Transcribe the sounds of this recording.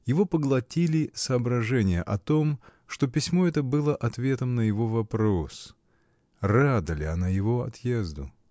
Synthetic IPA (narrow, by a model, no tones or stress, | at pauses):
jɪvo̞pəɡlˠɐtʲilʲɪsɐːbɾɐʐɛnʲɪjəʔɐt̪o̞m | ʂt̪o̞pʲɪsʲmo̞ɛt̪əbɨlˠəʔɐt̪vʲe̞t̪əmnəjɪvo̞vɐpɾo̞s | rad̪əlʲɪɐnajɪvo̞ɐ̰t̪jezd̪ʊ̰